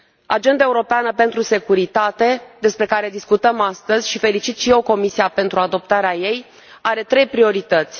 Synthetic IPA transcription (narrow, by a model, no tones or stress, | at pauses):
a̰d͡ʒe̞nd̪aeuɾo̞peanəpe̞nt̪ɾuse̞kuɾit̪at̪e̞d̪e̞spɾe̞kaɾe̞d̪iskut̪əmast̪əzʲʃife̞lit͡ʃit̪ʃije̞wko̞misiape̞nt̪ɾuad̪o̞p̚t̪aɾeaje̞j | aɾe̞t̪ɾejpɾio̞ɾit̪ət̪sʲ